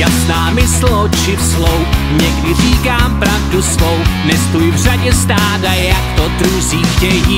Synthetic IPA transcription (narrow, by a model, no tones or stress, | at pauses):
jasnaːmɪslot͡ʃɪfslowɲɛɡdɪriːkaːmpɾavdusvownɛst̪ujvr̝aɟɛst̪aːd̪ajjakt̪od̪ɾuziːxcɛjiː